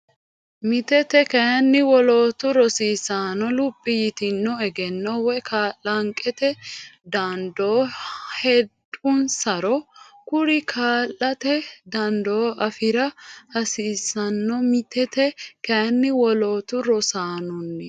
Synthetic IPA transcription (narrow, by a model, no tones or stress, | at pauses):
mɪt̪ɛt̪ɛkɐjɐnːɪwɔloːt̪ʊɾɔsiːsaːnɔlʊpʼːɪjɪt̪ɪnːɔɛɡɛnːɔwɛkʰaːlːɐŋkʼːɛt̪ɛd̪ɐnd̪oːhɛd̪ʊnsɐɾɔkʊɾɪkʰaːlːɐt̪ɛd̪ɐnd̪oːʔɐfɪɾɐhɐsiːsːɐnːɔmɪt̪ʰɛt̪ɛkɐjɐnːɪwɔloːt̪ʊɾɔsaːnʊnːɛ